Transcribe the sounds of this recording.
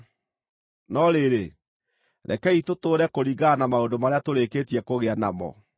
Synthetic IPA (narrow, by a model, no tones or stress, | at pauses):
nɔɾeɾe | ɾʔɛ̰kɛitotoːɾɛkoɾiɣɡanamaondomaɾeatoɾeketiɛkoɣeanamɔ̰